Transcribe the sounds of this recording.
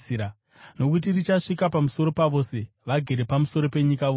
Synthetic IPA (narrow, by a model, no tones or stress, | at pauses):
iɾa | no̞kut̬irit͡ʃaʂikapamuso̞ɾo̞paʋo̞ːse̞ | ʋaɡʱeɾe̞pamuso̞ɾo̞pe̞ɲikao